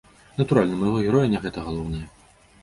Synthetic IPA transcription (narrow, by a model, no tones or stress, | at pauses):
nɐt̪uɾalʲnɐmɐjɣɔɣʲɛɾɔjɐnʲɛɣɛt̪ɐɣalˠɔwnɐjɐ